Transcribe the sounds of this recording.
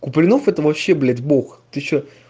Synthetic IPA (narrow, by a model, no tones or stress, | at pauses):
kʊplʲɪnofɛt̪əvɐpɕːeblʲed̪ʲboxt̪ɨɕːo